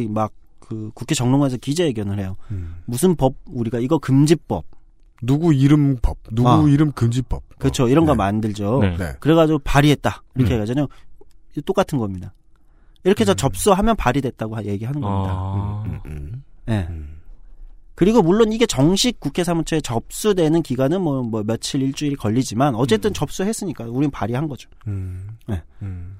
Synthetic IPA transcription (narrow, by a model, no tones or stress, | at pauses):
imak̚ɯkukʰe̞t͡ɕʌŋnoŋaesʰʌkid͡ʑe̞ːɡjʌnɯɭhe̞jomusʰɯnpʌb̚uɾiɡaiɡʌkɯmd͡ʑip͈ʌp̚ | nuɡuiɾɯmpʌb̚nuuiɾɯmkɯmd͡ʑip͈ʌp̚kɯt͡ɕʰoiɾʌnɡʌmandɯɭd͡ʑonḛkɯɾe̞ɡad͡ʑiɡopaɾiɦe̞t̚t͈aiɾʌkʰeeɡad͡ʑʌɲo | t͈ok͈atʰɯnɡʌmɲida | iɾʌkʰe̞t͡ɕʌt͡ɕʌp̚s͈uɦamjʌnpaɾidwe̞t̚t͈aɡoaje̞ɡiɦanɯnʌmɲida̰ | je̞ | kɯɾiɡomuɭːoniɡe̞t͡ɕʌŋɕʰik̚k͈ukʰe̞sʰamut͡ɕʰʌet͡ɕʌp̚s͈udwe̞nɯnkiɡanɯnmwʌmwʌmjʌt͡ɕʰiɾiɭt͡ɕ͈uiɾikʌʎːid͡ʑimanʌt͡ɕ͈e̞t͈ɯnt͡ɕʌp̚s͈uɦe̞s͈ɯɲik͈auɾinnpaɾiɦanɡʌd͡ʑo | je̞